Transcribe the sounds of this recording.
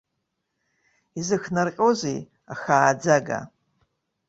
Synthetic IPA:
izɨxnarqʲʼozej | axaːd͡zaɡa̰

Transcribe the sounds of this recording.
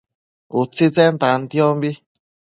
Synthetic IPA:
ut͡sit͡sɛnt̪ant̪iɔmbi

